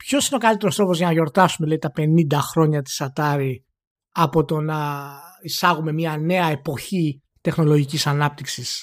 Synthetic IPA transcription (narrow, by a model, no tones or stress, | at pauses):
pço̞sineo̞kɐlit̪eɾost̪ɾo̞pozʝɐnɐʝo̞ɾt̪ɐsumeleit̪ɐpe̞nind̪ɐxɾo̞ɲɐt̪̬i̥sɐt̪ɐɾi | ɐpo̞t̪o̞nɐisɐɣume̞miɐne̞ɐe̞po̞çi | t̪e̞xno̞lo̞ʝicisɐnɐp̚t̪iksis